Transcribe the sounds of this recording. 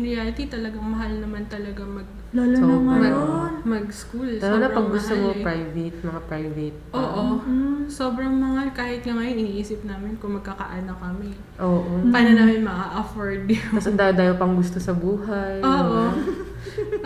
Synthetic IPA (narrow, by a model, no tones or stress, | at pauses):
nɪjaɾɪt̪it̪ɐlɐɡɐŋmɐɦalnɐmant̪ɐlɐɡamɐɡ̚ | laloomɐmɐmɐɡskulsoblɐpɐɡɡʊst̪omopɾajvɛt̪̚mɐŋapɹajvɛt̪̚ʔoːʔoso̞bɾɐŋmɐhalkaːhɪt̪̚ŋɐŋɐjonʔɪniːʔiːsɪp̚naːmɪnkʊŋmɐɡ̚kakɐ̰ʔaːnokɐmɪ | ʔoːʔopɐnɐnaːmɪnmɐaʔɐfoɹd̪ɐsɐnd̪aːjod̪aːjopɐŋɡʊst̪osɐbuːɦajoːʔo